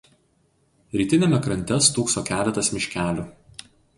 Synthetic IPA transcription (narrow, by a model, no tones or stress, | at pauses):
ɾʲiːt̪ʲɪnʲɛmʲɛkɾɐnʲt̪ʲɛst̪uːksoːkʲæːlʲɛt̪ɐsmʲɪʃʲkʲæːlʲu